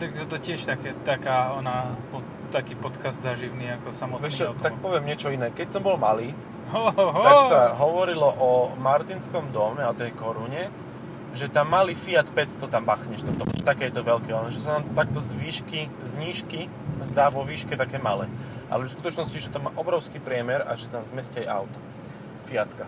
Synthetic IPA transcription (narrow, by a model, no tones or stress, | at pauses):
t̪aɡɛt̪ɔcɪɛʃt̪akɛːt̪akaːɔnapɔ | t̪akiːpɔt̪kazd̪zaʒiʊniːakɔsamɔt̪ɛʃɛt̪ak̚pɔʋɪɛmɲɪɛt͡ʃɔinɛːkɛcsɔmbɔlmaliː | t̪aksaɦɔʋɔɾilɔʔɔmaɾt̪inskɔmd̪ɔmɛaɔt̪ɛjkɔɾuɲɛ | ʒɛt̪amːaliːfiat̪pɛt͡st̪ɔt̪ambaxɲɛʃt̪ɔd̪ɔ̰mɛ̰ʃɛ̥t̪akɛːjɛt̪ɔʋɛlkɛanʒɛsanaːmt̪akt̪ɔzʋiːʃki | zɲiːʃki | zd̪aːʋɔʋiːʃkɛt̪akɛːmalɛːʔa̰lɛskut̪ɔt͡ʃnɔsciʒɛt̪ɔma̰ːʔɔbɾɔʊskiːpɾɪɛmɛɾa̰ʒɛsanaːmzmɛscajʔa̰ʊt̪ɔ̥ | fiat̪ka